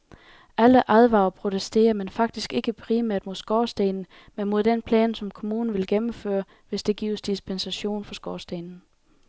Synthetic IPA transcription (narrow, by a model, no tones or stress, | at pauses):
ʔæləʔæðˠʋɑ̈ːʊpʰʁo̝t͡sʰesd̥e̝̰ːɐmenfɑ̈ɡ̥̚d̥isɡ̥e̝ɡ̥əpʰʁiːmæɐ̰d̥mo̝ðˠsɡ̥ɒːsd̥eːnn̩ | menmo̝ð̞ˠd̥enpʰlɛ̰ːnsɒ̽mkʰo̝muːnn̩ʋe̝lɡ̥emm̩fø̰ːɐ | ʋe̝sd̥e̝ɡ̥ḭːʊsd̥isb̥ensæɕo̝̰ːnfɒ̽sɡ̥ɒːsd̥enn̩